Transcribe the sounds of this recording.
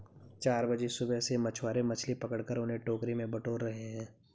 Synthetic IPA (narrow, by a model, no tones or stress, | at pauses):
t͡ʃaːɾbɐd͡ʒesʊbɛsemɐt͡ʃʰwaːɾemɐt͡ʃʰlipɐkəɽkəɾʊnɦẽʈoːkɾimẽbɐʈoːɾɾɐɦeɦɛ̃ː